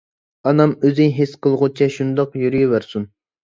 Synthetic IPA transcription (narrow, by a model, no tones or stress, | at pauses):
ɑnɑmøzɪŋɦesqʰəlˠʁʊt͡ʃʰɛʃund̪ɑqjyɾyjiwæɾsun